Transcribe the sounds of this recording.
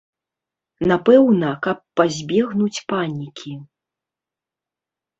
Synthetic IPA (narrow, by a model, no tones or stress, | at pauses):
napɛwnɐkɐpːazʲbʲɛɣnut͡sʲpanʲikʲʰi